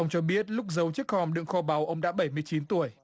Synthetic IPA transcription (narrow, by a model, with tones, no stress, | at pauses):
ə˧wŋ͡mt͡ɕɔ˧ɓi˦˥ət̚lʊ˦˥k͡p̚zə˨˦wt͡ɕɨ˦˥k̚hɔ˧˩mɗɨ̰˧˨əŋxɔ˧ɓa˨˦wʔə˧wŋ͡mɗa̰ː˧˥ɓə˧˩jmɨ˧əjt͡ɕi˨˦nt̪u˧˩əj